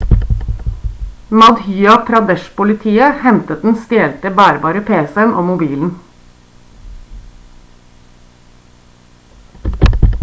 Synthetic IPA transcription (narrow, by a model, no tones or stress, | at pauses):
mɑd̪hyːɑt̪ʰɾɑd̪ɛʃpʊlɪt̪ʰiːəhɛmt̪ət̪̚d̪n̩st̪eːlt̪əbæːɾbɑːɾəpʰeːsɛənʔoːmʊbiːln̩